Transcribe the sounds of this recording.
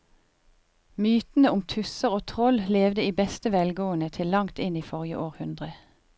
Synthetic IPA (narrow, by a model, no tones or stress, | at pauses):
myːt̪n̩əʊmt̪ʰʉsəʁoːt̪ʰʁɔlleːʋd̪əiːbɛst̪əʋɛlɡoːənət̪ʰɪllɑŋt̪ɪniːfɔʁjə̰ʔoːʁhʉnd̪ʁə